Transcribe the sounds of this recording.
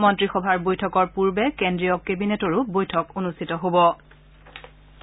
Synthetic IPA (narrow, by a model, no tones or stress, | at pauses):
mɔntɹixɔbʱaɹbojtʰɔkɔɹpuɹbɛkendɹijɔkebinetɔɹubojtʰɔkonustʰitɔɦobɔ